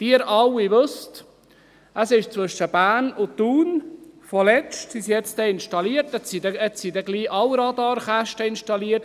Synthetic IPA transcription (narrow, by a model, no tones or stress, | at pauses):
d̥iəɾɑwiʋøst | əsɪʃt͡sʋʏʃəb̥æːnʊtuːnfɔlɛstsisiɛt͡stɛɪnʃtɑliːəɾtɛtsidɛɛtsidɛɡliːʔɑwɾɑd̪ɑːɾχæʃtəɪnʃtɑliːəɾt